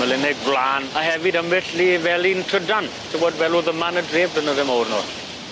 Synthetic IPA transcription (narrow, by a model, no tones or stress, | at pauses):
məlɪnɛɡ̚ɡlaːnahɛvɪdəmɪɬlivɛlintʰrədan | tʰəvodvɛluðəmanədreːb̚dənəðɛmɔwrnɔ̰ɬ